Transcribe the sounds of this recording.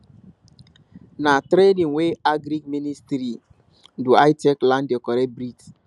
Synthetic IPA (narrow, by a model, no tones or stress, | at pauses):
natɾenĩŋweaɡɾik̚ministɾi | duajteklãndɛkɔɾɛbɾit